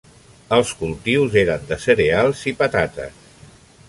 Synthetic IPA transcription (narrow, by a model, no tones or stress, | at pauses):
əlˠskulˠt̪iwzeɾənd̪əsəɾealˠzipət̪at̪ə̰s